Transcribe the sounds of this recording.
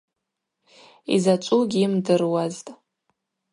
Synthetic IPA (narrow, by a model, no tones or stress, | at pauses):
ḭzat͡ʃʷʼuɡʲimdɨrwaztʼ